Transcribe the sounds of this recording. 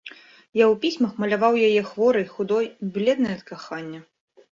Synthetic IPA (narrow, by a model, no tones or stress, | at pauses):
jawpʲisʲmɐxmɐlʲavawjajɛxvɔɾɨjxud̪ɔjblʲɛd̪nɐjɛɐt̪kaxanʲːɐ